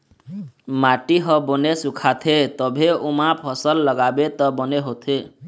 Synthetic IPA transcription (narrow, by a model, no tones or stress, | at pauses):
maʈiɦʌbɔnesukʰat̪ʰet̪ʌbʱeumapʰʌsʌlːʌɡabet̪ʌbɔneɦot̪ʰe